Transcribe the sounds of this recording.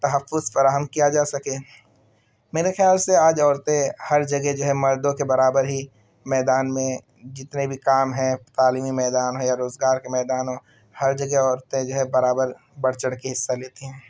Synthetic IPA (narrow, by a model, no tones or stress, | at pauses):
t̪ɐɦəfːʊzfɐɾaːɦəmkijad͡ʒaːsɐkẽː | meːɾexɪjaːlseaːd͡ʒɔːɾt̪ẽhɐɾd͡ʒɐɡɛd͡ʒoɦɛmɐɾd̪õkebɐɾaːbəɾɦi | mɛːd̪aːnmẽ | d͡ʒɪt̪nebʱikaːmɦɛ̃t̪aːliːmimɛːd̪aːnɦõjaɾoːzɡaːɾkemɛːd̪aːnõ | hɐɾd͡ʒɐɡɛɔːɾt̪ẽd͡ʒoɦɛbɐɾaːbəɾ | bɐɽt͡ʃəɽkiɦɪsːaleːt̪eɦɛ̃ː